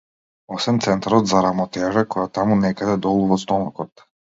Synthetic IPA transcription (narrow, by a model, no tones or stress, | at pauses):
ɔsvɛnt̪sɛnt̪aɾɔt̪zaɾamɔt̪ɛʒɛkɔjat̪amunɛkad̪ɛd̪ɔlˠuvɔst̪ɔnɔkɔt̪